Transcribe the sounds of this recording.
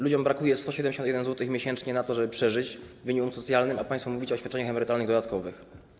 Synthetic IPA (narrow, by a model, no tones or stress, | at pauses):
lud͡ʑɔmbɾakujɛst̪ɔɕɛd̪ɛmʲɲd͡ʑeɕɔ̃t̪jɛd̪ɛnzwɔt̪ɘxmʲjeɕɛnt͡ʂɲɛnat̪ɔʐɛbɘpʂɛʐɘt͡ɕvɘɲikumsɔt̪sʲjalnɘmapaɲj̃st̪fumuvʲit͡ɕɔːɕfʲat̪ːt͡ʂɛɲaxɛmɛɾɘt̪alnɘɣd̪ɔd̪at̪̚kɔvɘx